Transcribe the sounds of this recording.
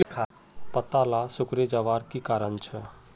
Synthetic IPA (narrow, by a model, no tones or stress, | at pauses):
pət̪alasʊkɾed͡ʒaːʋaːɾkikaːɾənt͡ʃʰɛ